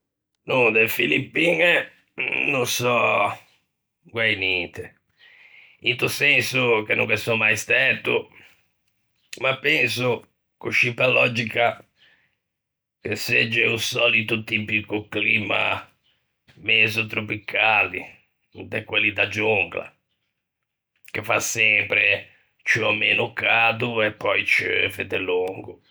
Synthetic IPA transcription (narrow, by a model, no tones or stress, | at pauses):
nud̪efilipːiŋe | nũsɔ | ɡwɛjnɛnt̪e | int̪usensukenṵŋkɛsɔmajst̪ɛt̪u | mapːɛnsu | kuʃimpalɔd͡ʒika | k̟esed͡ʒːɛusɔlit̪ʊt̪ipikʊklima̰ | mɛzot̪ɾopikʰaːli | d̪ɛkwelːid̪ad͡ʒuŋɡla̰ | kefa̰sɛmpɾe | t͡ʃiɔmenʊkaːd̪uɛpːɔjt͡ʃvḛd̪ɛluŋɡʊ